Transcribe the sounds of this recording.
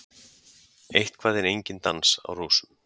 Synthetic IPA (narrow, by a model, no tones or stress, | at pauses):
ejht̪kʰv̥aːðɪnejɲcɪnt̪ansa̰wroːsʏ̥m